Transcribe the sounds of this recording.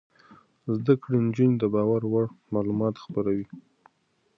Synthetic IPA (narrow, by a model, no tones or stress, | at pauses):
zd̪akɽind͡ʒined̪əbɑwaɾwaɽmɑlumɑt̪xpəɾawi